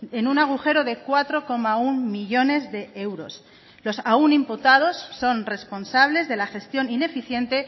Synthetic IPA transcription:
e̞nunaɣ̞uxe̞ɾo̞ðe̞kwat̪ɾo̞ko̞maunmiʎo̞ne̞zðe̞e̞wɾo̞̰s | lo̞saunimput̪að̞o̞sːo̞nre̞spo̞nsaβ̞le̞zðe̞laxe̞st̪jo̞nine̞fiθje̞nt̪e̞

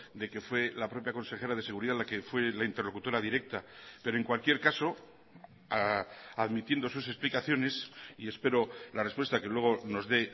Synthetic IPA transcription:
d̪e̞ke̞fwe̞lapɾo̞pjako̞nse̞xe̞ɾaðe̞se̞ɣ̞uɾiðalakefwe̞laint̪e̞ɾlo̞kut̪o̞ɾaðiɾe̞k̚t̪ape̞ɾoeŋkwalkje̞ɾkaso̞ | aðmit̪je̞nd̪o̞suse̞splikaθjo̞ne̞sie̞spe̞ɾo̞lare̞spwe̞st̪akelwe̞ɣ̞o̞no̞zðe̞

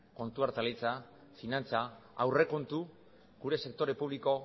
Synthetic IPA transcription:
ko̞nt̪uaɾt̪alit͡sa | finant͡saːwre̞ko̞nt̪u | ɡuɾe̞se̞k̚t̪o̞ɾe̞puβ̞liko̞

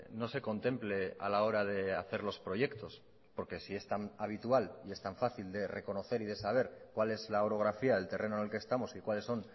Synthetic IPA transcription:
no̞se̞ko̞nt̪e̞mple̞a̰lao̞ɾað̞e̞aθe̞ɾlo̞spɾo̞ʝe̞kt̪o̞s | po̞ɾke̞sie̞st̪anaβ̞it̪ualie̞st̪aɱfaθild̪e̞re̞ko̞no̞θe̞ɾiðe̞saβ̞e̞ɾkwale̞zlaoɾo̞ɣ̞ɾafiaðe̞lt̪e̞rʔe̞nonelkeːst̪amo̞sikwalesːo̞n

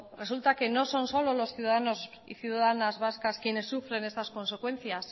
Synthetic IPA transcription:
re̞sult̪ake̞no̞so̞nso̞lolo̞sθjuðaðanos | ḭθjuðaðanazβaskaskje̞ne̞sːufɾe̞ne̞st̪asko̞nse̞kwẽ̞n̟θjas

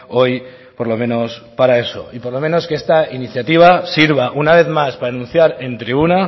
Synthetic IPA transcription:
o̞j | po̞ɾlo̞mẽ̞no̞spaɾae̞so̞̰ipo̞ɾlo̞mẽno̞skeest̪ainiθjat̪iβ̞asiɾβaʔunaβ̞e̞θmaspaɾaenũnθjaɾe̞nt̪ɾiβuna

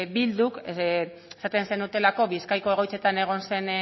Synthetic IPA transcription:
bild̪uke | esat̪e̞nse̞nd̪ut̪e̞lako̞βiskajko̞e̞ɣ̞o̞jt͡se̞t̪ane̞ɣ̞o̞nse̞n

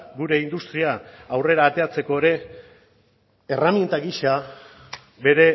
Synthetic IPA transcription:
ɡuɾe̞ind̪ust̪ɾiaawre̞ɾaːt̪e̞at͡se̞ko̞eɾe̞ | ramjient̪aɡiʃa | be̞ɾe̞

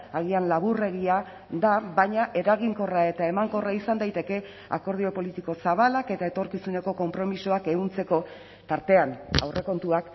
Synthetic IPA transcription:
aɣianlaβure̞ɣia | d̪aβajɲaʔe̞ɾaɣiŋko̞rae̞t̪ae̞maŋko̞raisand̪ajt̪e̞ke̞ | a̰ko̞ɾð̞io̞po̞lit̪iko̞saβ̞alake̞t̪ae̞t̪o̞ɾkisune̞ko̞ko̞mpɾo̞miso̞ake̞ɣunt͡se̞ko̞ | t̪aɾt̪e̞ana̰wre̞ko̞nt̪uak

